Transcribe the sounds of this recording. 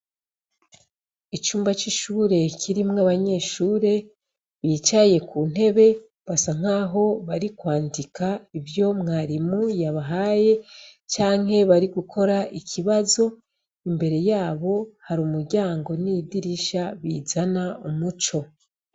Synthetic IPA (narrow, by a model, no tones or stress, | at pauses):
it͡ʃuːmbat͡ʃiʃuɾe̞cʰiɾimŋaβaɲe̞ːʃuːɾe̞ | βiːt͡ʃaje̞kun̥e̞βe̞ | βasaŋ̥aːɦo̞βaɾikwaːndikʰaivjo̞mŋaːɾimujaβaɦaːje̞t͡ʃaːŋhe̞βaɾiɡukʰo̞ɾaʔicʰiβazo̞ | imbe̞ɾe̞jaːβo̞haɾuːmuɾɟaːŋɡo̞nidiɾiʃaβiːzanaumut͡ʃo̞